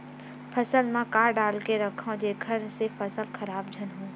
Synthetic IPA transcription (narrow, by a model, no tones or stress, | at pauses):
pʰɐsəlmãkaːɾɖaːlkeɾɐkʰõd͡ʒeːkʰəɾsɪfʰəsəlxɐɾaːbd͡ʒʱənɦũː